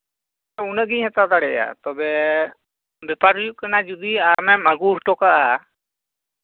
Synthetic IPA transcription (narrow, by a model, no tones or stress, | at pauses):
aunəɡĩɦɛt̪at̪aɽɛja̰t̪ɔbɛ | bɛpaɾjukənad͡ʒud̪iamɛmaɡusʈɔkaa